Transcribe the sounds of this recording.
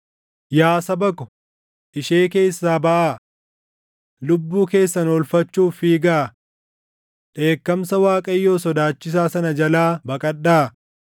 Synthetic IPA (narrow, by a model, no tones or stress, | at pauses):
jaːsɐbɐkɔ | ʔɪʃe̞ːke̞ːsːaːbɐʔaː | lʊbːuːke̞ːsːɐnɔlfɐt͡ʃːuːfiːɡaː | ᶑe̞ːkːɐmsɐwaːkʼɐjːo̞ːsɔd̪aːt͡ʃːɪs̬aːsɐnɐd͡ʒɐlaːbɐkʼɐɗaː